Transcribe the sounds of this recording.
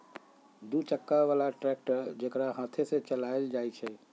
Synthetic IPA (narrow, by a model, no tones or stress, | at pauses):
d̪ut͡ʃəkːaβalaʈɾɛk̚ʈəɾd͡ʒekɾaɦãt̪ʰeset͡ʃəlajld͡ʒajt͡ʃʰɛ